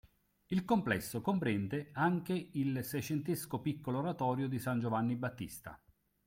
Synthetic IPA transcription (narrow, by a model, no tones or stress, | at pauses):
ilkomplɛsːokompɾɛnd̪eaŋkeilsɛjt͡ʃent̪eskopikːoloːɾat̪ɔːɾjod̪isand͡ʒovanːibat̪ːḭst̪a̰